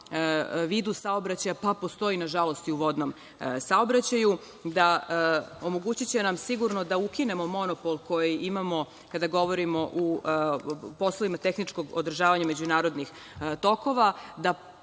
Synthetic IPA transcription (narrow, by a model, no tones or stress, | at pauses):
ʋiːd̪usaobɾat͡ɕajapapo̞st̪o̞inaʒalo̞st̪iuʋo̞d̪nom | saobɾat͡ɕaju | d̪a | omo̞ɡuːt͡ɕit͡ɕe̞namsiɡuɾno̞d̪aukine̞mo̞mo̞nopolko̞jiimamo̞ | kad̪aɡo̞ʋo̞ɾimo̞ʔu | po̞slˠoʋimat̪e̞xnit͡ʃko̞ɡod̪ɾr̩ʒaːʋaɲame̞d͡ʑunaːɾo̞d̪nix | t̪o̞ko̞ʋad̪a